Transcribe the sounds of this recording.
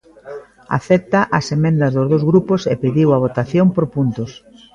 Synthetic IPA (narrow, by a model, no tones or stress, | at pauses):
a̰θɛt̪ɐʔɐsemẽnd̪ɐzðʊzð̞owzɣɾupʊsepiðiwɐβ̞ot̪aθjompoɾpunt̪ʊs